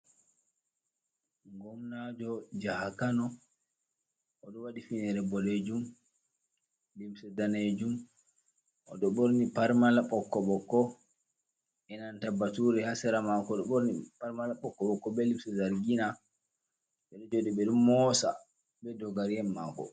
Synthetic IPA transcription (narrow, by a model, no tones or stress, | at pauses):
ŋɡɔmnad͡ʒɔd͡ʒahakanɔ | ʔɔɗɔwaɗifinɛɾɛbɔled͡ʒum | limsɛdaned͡ʒum | ʔɔɗɔɓoɾnipaɾmalaɓɔkːɔɓɔkːɔ | ɛnantabatuɾɛhasɛɾamakɔɗɔɓoɾnipaɾmalaɓɔkːɔɓɔkːɔɓɛlimsɛzaɾɡina | ɓɛɗɔd͡ʒoɗiɓɛɗummɔsa̰ | ɓɛdɔɡaɾjɛnmakɔ̰